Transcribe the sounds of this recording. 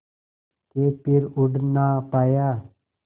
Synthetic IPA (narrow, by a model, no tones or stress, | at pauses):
kepɪɾʊɖnaːpaːjaː